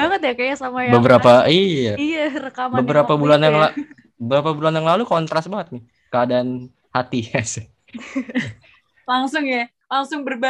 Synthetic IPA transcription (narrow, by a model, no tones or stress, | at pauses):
baŋət̪jakajasamajbəbəɾapaijaijarəkambəbəɾapabulanjaŋla | bəbəɾapabulanjaŋlalukɔnt̪ɾasbaŋət̪̚nɪ | kəadan | hat̪iasɪ | laŋsʊŋja | laŋsʊŋbərba